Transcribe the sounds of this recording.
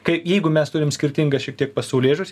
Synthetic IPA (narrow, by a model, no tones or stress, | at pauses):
kɐɪjɛɪɡʊmʲɛst̪ʊɾʲɪmsʲkʲɪɾʲt̪ʲɪŋɡɐsʃʲɛk̚t̪ʲiɛk̚pɐsɐʊlʲeːʒʊsʲ